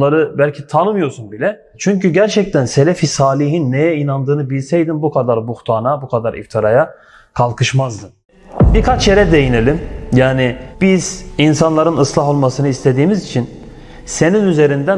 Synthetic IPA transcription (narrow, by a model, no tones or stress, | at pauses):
aɾɯbælʲcʰit̪ʰanɯmɯjo̞ɾsunbilʲɛ | t͡ʃʰyɲcyɟæɾt͡ʃʰɛc̚t̪ʰænse̞lʲefisaːlʲiɦinːejɛinand̪ɯːnɯbilʲsɛjd̪inbukʰad̪aɾbuxt̪ʰaːnabukʰad̪aɾḭft̪ʰaɾaja | kʰalˠkʰɯʃmazd̪ɯn | bikʰat͡ʃjeɾɛd̪e̞jine̞lʲimjaːnib̥iz̥insanlˠaɾɯnɯslˠaɦo̞lˠmasɯnɯist̪ʰe̞d̪iːmizit͡ʃʰin | se̞ninyze̞ɾind̪æ